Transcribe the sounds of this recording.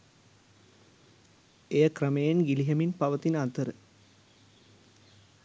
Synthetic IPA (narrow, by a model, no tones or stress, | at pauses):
ejɐkrɐmejenɡiliɦɐminpɐʋɐt̪inɐt̪əɾə